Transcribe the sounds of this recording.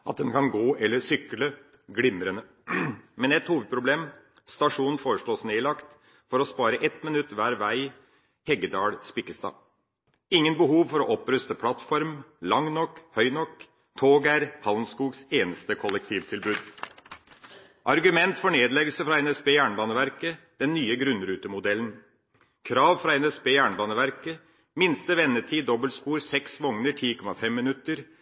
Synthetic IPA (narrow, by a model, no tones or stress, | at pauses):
ʔɑt̪̚d̪ɛnkʰɑnɡoːʔɛlːəʂʏkələ | ɡɽɪmɾənə | mɛnɛt̪huːʋəd̪̚pʰɾʊbleːm | st̪ɑʂuːnn̩foːɾəʂɭoːsneːlɑkt̪ | fɔɾɔspɑːɾəʔɛt̪mɪnʉt̪ːʋæːɾʋæɪ | hɛɡəd̪ɑːɭspɪkːəst̪ɑ̰ː | ɪŋːənbəɦuːʋfɔɾɔʔɔpɾʉst̪əpʰlɑt̪fɔɾmlɑŋnɔkːhœʏnɔkː | t̪ʰoːɡæɾhɑʊnskuːɡseːnəst̪əkʰɔlɛk̚t̪ʰiːʋt̪ʰɪlbʉːd̪ | ʔɑɾɡʉmɛnt̪fɔɳeːd̪lɛɡəlsəfɾɑːɛnɛspeːjæːɳbɑːnəʋæɾkə | d̪̥ɛnːyːəɡɾʉnɾʉːt̪əmʊd̪ɛlən | kʰɾɑːʋfɾɑɛnɛspeːjæːɳbɑːnəʋæɾkə | mɪnst̪əʋɛnːəʈʰiːd̪ɔbəlspuːɾsɛksʋɔŋnəʈʰiːkʰɔmɑfɛmːɪnʉt̪ːəɾ